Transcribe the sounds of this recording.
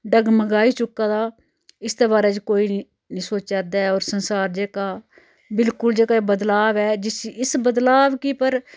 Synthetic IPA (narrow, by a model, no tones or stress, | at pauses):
ɖəɡməɡaːiːt͡ʃʊkːaːd̪aː | ɪst̪eːbaːɾɛːd͡ʒkoːi | nĩːsoːt͡ʃad̪aːɛɔːɾsənsaːɾd͡ʒeːkaː | bɪlkʊld͡ʒeːkaːebəd̪laːʋɛːd͡ʒɪsɪsbəd̪laːʋkipəɾ